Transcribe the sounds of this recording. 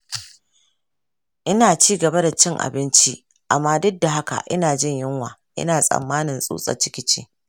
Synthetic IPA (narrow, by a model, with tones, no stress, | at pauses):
ʔɪ˦naː˨t͡ʃiː˦ɡɐ˨ba˦da˨t͡ʃɪ˦ŋʔa̰˨bɪ˦nt͡ʃi˦ | ʔa˨mːaː˦dʊ˦dːa˨ɦa˦ka̰˨ʔɪ̰˦naː˨d͡ʒɪ˦ɲjɪ˦ŋwaː˨ʔɪ̰˦naː˨sʼɐ̰˨mːaː˦nɪ˨nsʼṵː˦sʼɐ̰˨t͡ʃɪ˦kʲɪ˦t͡ʃḛː˦